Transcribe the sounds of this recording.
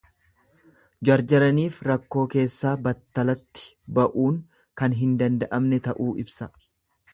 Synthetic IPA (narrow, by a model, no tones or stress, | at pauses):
d͡ʒɐɾd͡ʒɐɾɐniːfɾɐkːo̞ːke̞ːsːaːbɐt̪ːɐlɐt̪ːɪ̥ | bɐʔuːŋ | kɐnɦɪnd̪ɐnd̪ɐʔɐmnɛt̪ɐʔuːʔɪbsɐ